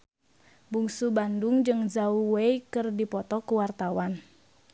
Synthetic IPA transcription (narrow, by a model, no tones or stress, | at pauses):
buŋsubanduŋd͡ʒɨŋzauweikɨrdipɔt̪ɔkuwart̪awan